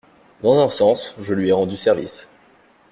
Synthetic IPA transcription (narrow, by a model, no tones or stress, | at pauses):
d̪ɑ̃zɛ̃sɑ̃sʒəlɥiɛʁɑ̃d̪ysɛʁvḭs